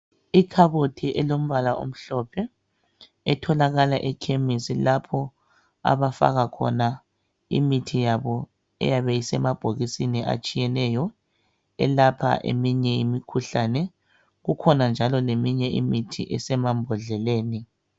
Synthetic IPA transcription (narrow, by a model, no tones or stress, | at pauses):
ikʰaβotʰiʔɛlom̩βalaʔo̰m̩ɬɔpʰɛ | ɛtʰɔlaɣalaʔɛkʰemisilapʰɔ | a̰βafa̰ɣakʰɔ̰na | ḭmitʰijaβɔ | ɛ̰jaβejisɛmab̥ʱoɣisiniʔa̰t͡ʃʼijɛnɛjɔ | ɛ̰lapʰa̰ʔḛmiɲɛḭmikʰuɬanɛ | ɣukʰɔnand͡ʒʱalɔlemiɲɛḭmitʰḭʔɛsɛmambʱɔɮɛleːni